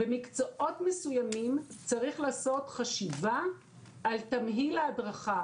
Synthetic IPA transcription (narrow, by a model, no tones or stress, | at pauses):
bemikt͡soʔo̞tme̞sujamimt͡saʁiχlaːso̞tχaʃivaː | ltamɦileadʁaχa